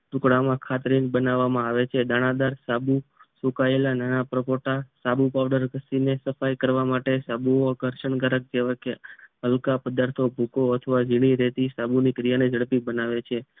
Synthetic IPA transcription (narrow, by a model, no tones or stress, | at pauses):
ʈukɽamãkʰat̪ɾinbənaʋːamãaʋet͡ʃʰed̪aɽ̃ãd̪aɾsabusukaelananapɾəpoʈasabupaʋɖəɾɡəsinesəfajkəɾʋamaʈesabuoɡʱəɾʃəɳɡəɾək̚d͡ʒeʋakeɦəlkapəd̪aɾt̪ʰobʱukoət̪ʰəʋad͡ʒiɽ̃iɾɛt̪isabunikɾijanid͡ʒʱəɭpibənaʋet͡ʃʰe